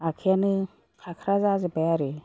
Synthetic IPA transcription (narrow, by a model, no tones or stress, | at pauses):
akʰijanɯ | kʰakʰɾazazɯbajaɾe